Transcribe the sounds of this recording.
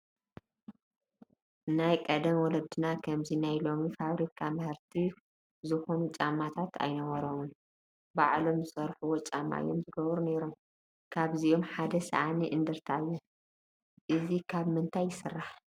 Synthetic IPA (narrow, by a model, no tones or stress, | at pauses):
najkʼɐd̪ɐmwɔlɐd̪ɨnakʰɐmzinajlo̞mifaβɾikʰamɨhɨɾt̪ʰi | zɨxo̞nut͡ʃʼamːat̪ʰat̪ʰa̰jnɐβɐɾomu | baʕlo̞mzɨsɐɾħuwɔt͡ʃʼamːa̰ʔɨ̰jːo̞mzɨɡɐβɾuneɾo̞m | kʰaβzio̞mħad̪ɐsɐ̰ʔaniʔɨnd̪ɨɾt̪ʰajːu | ʔɨzikʰaβmɨnt̪ʰajːɪsɨrːaħ